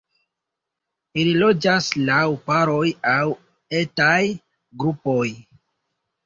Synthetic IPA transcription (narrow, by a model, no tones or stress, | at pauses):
ililo̞d͡ʒaslawpaɾo̞jaw | e̞taj | ɡɾupo̞j